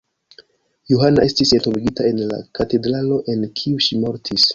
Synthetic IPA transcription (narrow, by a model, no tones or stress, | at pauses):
juɦanaʔe̞stise̞ntoviɡitae̞nla̰kate̞dɾalo̞ʔe̞nkʰiuʃimo̞ɾtʰis